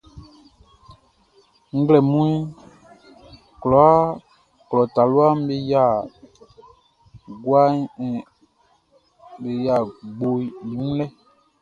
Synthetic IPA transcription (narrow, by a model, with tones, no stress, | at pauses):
ŋ̩˦ɡlɛ˨mũ˦i˦ | klɔ˨a˦ | klɔ˨ta˨lu˦a˦m˦be˦ja˦˨ | ɡwa˦˨ | be˨ja˨ɡ͡bo˨i˨ũ˦lɛ˦